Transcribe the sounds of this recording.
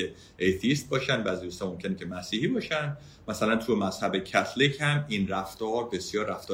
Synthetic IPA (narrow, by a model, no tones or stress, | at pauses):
e | ʔejt̪ʰiist̪̚bɒːʃænvææzd̪ust̪ɒmo̞mcʰʲe̞necʲʰe̞mæsiːhiːbɒːʃænd̪ | mæsælænt̪ʰujemæzhæbecʰæt̪ʰlicʰhæminræft̪ɒːɾbe̞sjɒːɾːæft̪ɒː